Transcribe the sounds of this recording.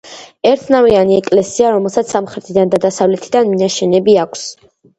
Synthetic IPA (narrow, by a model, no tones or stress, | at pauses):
ɛɾt̪ʰnavianiɛkʼlɛsiaɾɔmɛlˠsat̪ssamχɾɛt̪ʰid̪and̪ad̪asavlɛt̪ʰid̪anminaʃɛnɛbiakʷʰs